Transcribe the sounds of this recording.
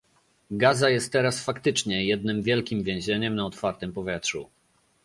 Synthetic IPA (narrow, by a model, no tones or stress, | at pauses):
ɡazajɛst̪ːɛɾasfakt̪ɘt͡ʂɲɛjɛd̪̚nɘmvʲjɛlkʲimvʲjɛ̃w̃ʑɛɲɛmnaɔt̪faɾt̪ɛmpɔvʲjɛtʂṵ